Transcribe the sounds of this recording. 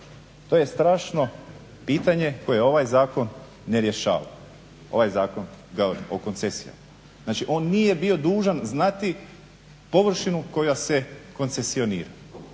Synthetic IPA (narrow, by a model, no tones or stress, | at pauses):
t̪o̞ːje̞st̪ɾaːʃno̞ | piːt̪aɲe̞ko̞jejeo̞ʋajzaːko̞nː | eɾje̞ʃa̰ːʋa̰ | o̞̰ʋajzaːkonɡaɾmo̰ko̞nt̪sesia̰m | znaːt͡ʃiʔo̞ːnːije̞bio̞d̪uːʒanznat̪i | po̞ʋr̩ʃinuko̞jaseko̞nt̪se̞sio̞nḭːɾa